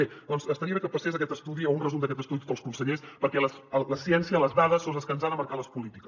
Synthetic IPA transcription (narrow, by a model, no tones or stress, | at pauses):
ed̪ɔnzəst̪əɾiəβekəpəsezək̬ɛt̪əst̪uðiəunrəzumd̪əkɛt̪əst̪uðit̪ot̪əlˠskunsəʎespəɾkɛləsələsiɛnsiələzðaðəsːozðəskənzaðəməɾkaləspulit̪ikə